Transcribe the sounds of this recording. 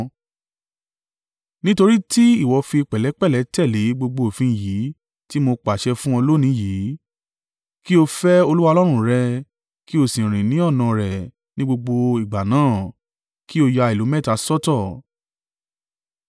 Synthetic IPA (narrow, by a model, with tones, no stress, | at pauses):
nĩ˦to˧ɾi˦ti˦i˦˨wɔ˨˧fi˧k͡pɛ˨lɛ˨˦k͡pɛ˦˨lɛ˨˦tɛ˦˨le˨˦ɡ͡bo˧ɡ͡bo˧o˨fĩ˧˨ji˨˦ | ti˦mo˧k͡pa˨ʃɛ˧fũ˦ɔ̃˧lo˦nĩ˨˦jiː˨˦ | ki˦o˧fɛ˦o˧lu˦wa˧lɔ˦ɾ̃ũ˦ɾɛ˧ | ki˦o˧˨sĩ˨ɾ̃ĩ˨nĩ˨˦ɔ˦˨nã˧ɾɛ˨ | nĩ˦ɡ͡bo˧ɡ͡bo˧i˨ɡ͡ba˨nãː˨˦˨ | ki˦o˧ja˧i˨lo˨˦mɛ̃˦˨ta˨˧sɔ˦tɔ˦˨